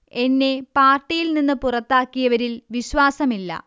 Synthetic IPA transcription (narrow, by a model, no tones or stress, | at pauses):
e̞nːe̞paːrʈːijilninːɨpurɐt̪ːaːkːijɐʋɐɾilʋiɕwaːsɐmilːɐ̰